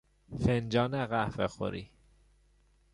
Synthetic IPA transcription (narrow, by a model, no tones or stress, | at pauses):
fend͡ʒɒːnæɣæfḛxo̰ɾḭ